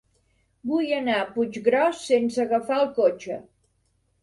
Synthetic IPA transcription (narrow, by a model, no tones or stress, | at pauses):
bujənaəpud͡ʒɣɾɔsːensəɣəfaəlˠkot͡ʃə